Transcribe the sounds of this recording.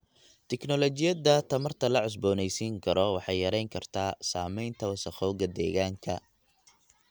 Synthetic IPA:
t̪ʰɛknɔlɔt͡ʃɪjɐd̪ɐt̪ʰɐmɐrt̪ʰɐlɐʕʊs̬bɔːnɛjsiːŋkʰɐɾɔwɑħɑjːɐɾɛjŋkʰɐrt̪ʰaːsaːmɛjnt̪ʰɐwɐsɐχɔːɣɐd̪ɛ̰ːɣaːŋkʰɐ̰

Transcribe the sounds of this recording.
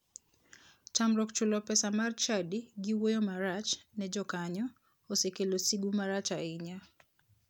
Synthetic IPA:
t͡ʃamɾɔkt͡ʃulɔpɛsamart͡ʃadiɡiwojomaɾat͡ʃnɛd͡ʒɔkaɲɔ | osekelosiɡumaɾat͡ʃaɪɲa

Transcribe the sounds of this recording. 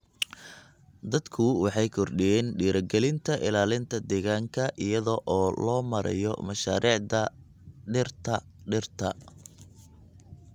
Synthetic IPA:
d̪ɐd̪kʰʊwɑħɑjkʰɔrɖijɛːnɖiːɾɐɡɛlɪnt̪ʰɐʔɪlaːlɪnt̪ʰɐd̪ɛːɣaːŋkʰɐʔɪjɐðɔʔɔːlɔːmɐɾʔɐ̰jɔ̰mɐʃaːɾiːʕðɐ | ɖɪrt̪ʰɐɖɪrt̪ʰɐ

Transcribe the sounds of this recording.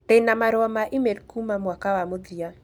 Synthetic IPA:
tenamaɾwamaʔimedkumamwakawamodia

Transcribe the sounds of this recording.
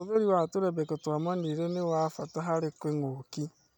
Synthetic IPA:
oðoɾiwatoɾɛbɛkɔtoamaniɾenewafataɦaɾɪkweŋoki

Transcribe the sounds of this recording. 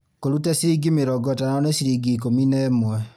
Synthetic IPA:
koɾutɛsiɾiɡimeɾɔɡɔtananesiɾiɡiːk̬ominɛmwɛ

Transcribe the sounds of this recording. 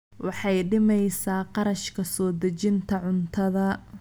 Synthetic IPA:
wɑħɑjɖɪmɛjsaːqɑɾɐʃkʰɐsɔːd̪ɐt͡ʃɪnt̪ʰɐʕʊnt̪ʰɐðɐ

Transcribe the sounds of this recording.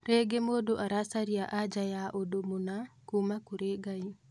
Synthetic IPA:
reɡemodoʔaɾasaɾiaʔad͡ʒajaʔodomunakumakuɾeɡai

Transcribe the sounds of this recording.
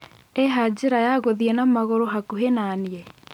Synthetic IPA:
eɦad͡ʑɪɾajaɣoðiɛnamaɣoɾoɦakuɦenaniɛ

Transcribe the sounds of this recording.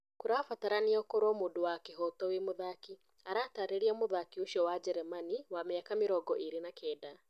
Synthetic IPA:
kuɾafataɾaniɔkoɾɔmuːdowakeɦɔtɔwemoðaki | aɾaːtaːɾeɾiamoðakioʃɔwad͡ʒɛɾɛmaniwameakamiɾɔɡɔʔiɾenakʰɛːda

